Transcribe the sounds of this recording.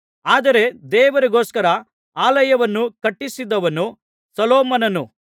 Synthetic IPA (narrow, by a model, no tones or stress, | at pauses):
aːd̪ɐɾe̞d̪ɛːʋɐɾiɡo̞ːskɐɾɐ | aːlɐjɐʋɐnːukɐʈːisid̪ɐʋɐnu | sɐloːmɐnɐnu